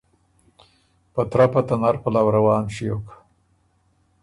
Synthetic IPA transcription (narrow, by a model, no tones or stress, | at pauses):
pət̪ɾapat̪anaɾpəlawɾawɑːnʃijok